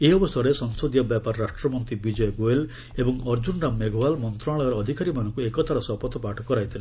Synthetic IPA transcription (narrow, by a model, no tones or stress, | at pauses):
eɔbɔst̪ʰaɾesɔŋsod̪ijɔbjapaɾɔɾaʃʈɾɔmɔnt̪ibid͡ʒɔjɔɡoel | ebɔŋɔɾd͡ʒuɳɖameɡʱɔwalmɔnt̪ɾaɭɔjɔɾɔːd̪ʱikaɾimanɔŋkuekɔt̪ʰaɾɔsɔpɔt̪ɔpaʈʰɔkɔɾajt̪ʰile